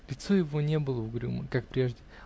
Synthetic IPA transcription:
lʲɪt̪sojɪvonʲe̞bɨlˠəvɡɾʲṵmə̰kak̚pɾʲe̞ʐdʲɪ

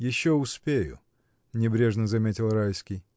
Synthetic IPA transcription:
jɪɕːoʊspʲejʊ̰ | nʲɪbɾʲe̞ʐnəzɐmʲetʲɪlˠrajskʲij

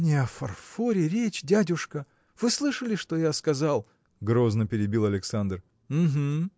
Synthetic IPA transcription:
nʲɪɐfɐ̰rfo̞ɾʲɪɾʲet͡ɕdʲædʲʊʂkə | v̥ɨslˠɨʂəlʲɪʂt̪ojaskɐzalˠ | ɡɾo̞znəpʲɪɾʲɪbʲilˠɐlʲɪksand̪r | m̩ɦm̩

